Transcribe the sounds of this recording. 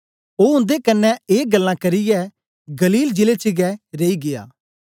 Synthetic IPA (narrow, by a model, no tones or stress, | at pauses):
oːʊ̃nd̪ekɐnːɛeːɡɐlːãkɐɾɪjɛː | ɡɐliːld͡ʒɪlet͡ʃɪɡɛɾeiɡɪja̰ː